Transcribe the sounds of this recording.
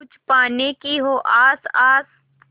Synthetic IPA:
ʊt͡ʃpaːnekiɦoːʔaːsaːs

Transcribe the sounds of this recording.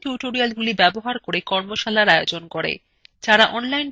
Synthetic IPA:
ʈjuʈoɾialɡulibɛboɦaɾkoɾekɔɾmoʃalaɾaeod͡ʑonkoɾḛ | d͡ʑaɾaʔɔnlajn

